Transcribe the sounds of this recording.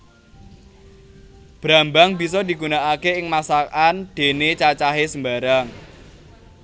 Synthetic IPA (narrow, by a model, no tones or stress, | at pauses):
b̥ɾambaŋbisɔd̪i̤ɡunaʔakeɪŋmasakand̪̥e̤net͡ʃat͡ʃaɦesəmbaɾaŋ